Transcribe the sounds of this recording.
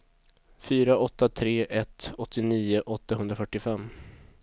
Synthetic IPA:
fyːɾaʔɔt̪ːat̪ʰɾeːʔɛt̪ɔt̪ʰːɪniːʊʔɔt̪ːaɦɵnd̪ɾafœʈːɪfɛmː

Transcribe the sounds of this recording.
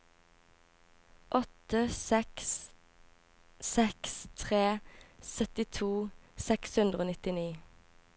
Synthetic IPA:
ʔɔt̪əsɛks | sɛkst̪ʰʁeːsœt̪ɪt̪ʰuːsɛkshʉnd̪ʁəoːnɪt̪ɪniː

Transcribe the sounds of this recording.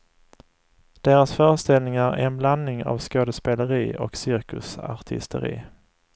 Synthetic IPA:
d̪̥eːɾasfœːɾəʂt̪ɛlnɪŋaɾæ̰ɾɛnblanːɪŋa̰vskoːd̪əspeːləɾiːɔ̰ksɪɾkɵsa̰ʈ̪ʰɪ̰st̪ə̰ɾḭː

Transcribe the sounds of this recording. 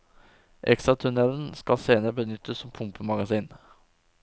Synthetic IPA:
ʔɛ̰kst̪ɾɑt̪ʰʉnɛln̩skɑlseːnəɾəbənʏt̪əssɔmpʰʊmpʰəmɑɡɑsiːn

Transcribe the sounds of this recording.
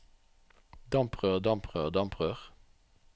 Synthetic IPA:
d̪ɑmpʰʁøːʁd̪ɑmpʰʁøːd̪ɑmpʁøːʁ

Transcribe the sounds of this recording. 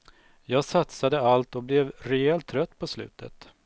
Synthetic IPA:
jɑːɡsat̪sad̪əalt̪ɔblɛvɾɛɛlt̪ʰːɾœt̪ːpʰɔslʉ̟̰ːt̪ʰə̰t̪

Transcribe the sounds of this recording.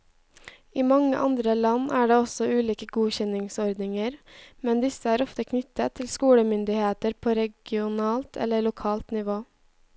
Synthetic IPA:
iːmɑŋə̰ʔɑ̰nd̪ɾəlɑnʔæːɖeːɔsɔʉːliːkəɡuːçɛnɪŋsɔɾd̪nɪŋəɾmɛnd̪ɪsəæːɾɔft̪əkʰnʏt̪ət̪ʰɪlskuːɽəmʏnd̪ɪheːt̪əɾpʰoːɾɛɡɪʊnɑːlt̪ʰɛ̰ləɭʊkʰɑːlt̪nɪʋoː

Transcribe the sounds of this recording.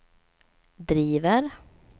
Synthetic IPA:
d̪ɾiːvəɾ

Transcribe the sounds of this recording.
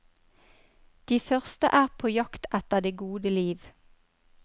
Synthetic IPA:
d̪̥iːfœʁst̪ə̰ʔæːʁpʰoːjɑkt̪ɛt̪əʁd̪eːɡuːd̪əliːʋ

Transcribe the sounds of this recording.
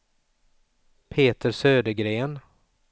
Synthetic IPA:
pʰeːt̪əɾsøːd̪əɡɾeːn

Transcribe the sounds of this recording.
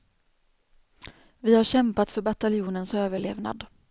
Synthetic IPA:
vɪhaɾɕɛmpat̪fœɾbat̪alɪjuːnənsøːvəɭḛːvna̰d̪

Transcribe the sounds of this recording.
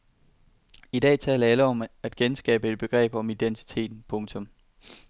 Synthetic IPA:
id̥ɛ̰ːt͡sʰɛ̰ːlɐæləɒ̽mæd̥ɡ̥ensɡ̥ɛ̰ːb̥əe̝d̥̚b̥e̝ɡ̥ʁɛ̰ːb̥ɒ̽mid̥ent͡sʰi̥t͡sʰe̝̰ːd̥n̩pʰɔ̽ŋt͡sʰɔ̽m

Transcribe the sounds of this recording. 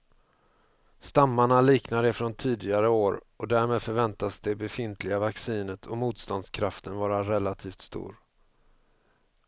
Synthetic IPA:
st̪amːaɳaliːknad̪ɛfɾɔnt̪ʰiːd̪ɪɡaɾəoːɾ | ɔd̪æɾmeːd̪fœɾvɛnt̪asd̪ɛbɛfɪnt̪ʰlɪɡavaksiːnət̪ʰɔmuːt̪st̪ɔnd̪skʰɾaft̪ənvɑːɾaɾɛlːat̪ʰiːft̪st̪ṵːɾ

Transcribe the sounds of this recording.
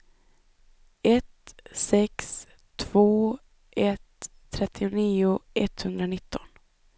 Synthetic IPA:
ɛt̪sɛks | t̪ʰv̥oː | ʔɛt̪ʰːɾɛt̪ʰːɪʊniːʊʔɛt̪hɵnd̪ɾanɪt̪ʰːɔn

